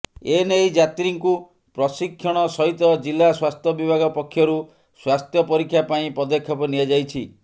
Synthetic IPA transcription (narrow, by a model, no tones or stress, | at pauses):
enejd͡ʒat̪ɾiŋku | pɾɔsikʰːjɔɽ̃ɔsɔɦit̪ɔd͡ʒilːaswast̪ʰjɔbibʱaɡɔpɔkʰːjɔɾu | swast̪ʰjɔpɔɾikʰjapaĩpɔd̪ɔkʰːjɔpɔnijad͡ʒajt͡ʃʰi